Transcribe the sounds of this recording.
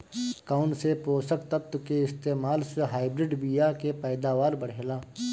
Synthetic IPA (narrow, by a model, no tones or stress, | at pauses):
kaʊnsepoːsəkt̪ət̪keɪst̪eːmaːlseɦaːɪbɾɪɖbijaːkepɛːd̪aːʋaːɾbəɽ̤eːlaː